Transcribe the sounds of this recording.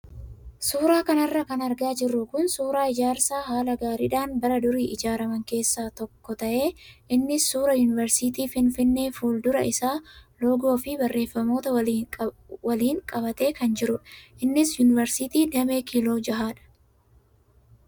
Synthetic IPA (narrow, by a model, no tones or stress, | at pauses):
suːɾaːkɐnɐrːɐkɐnɐɾɡaːd͡ʒɪrːʊkʊnsuːɾaːɪd͡ʒaːɾsaːɦaːlɐɡaːɾɪᶑaːnbɐɾɐd̪ʊɾiːʔɪd͡ʒaːɾɐmɐŋke̞ːsːaːt̪ɔkːɔt̪ɐʔe̞ːʔɪnːɪsːuːɾɐjunɪvɛɾsit̪̬iːfɪnfɪnːe̞ːfuːld̪ʊɾɐʔɪsaːlo̞ːɡo̞ːfɪbɐrːʔe̞ːfːɐmo̞ːt̪ɐ | wɐliːŋkʼɐβɐt̪e̞ːkɐnd͡ʒɪɾʊʔɪnːɪsjʊnɪvɛɾsɪt̪iːd̪ɐme̞ːkiːlo̞ːd͡ʒɐɦaːᶑɐ̥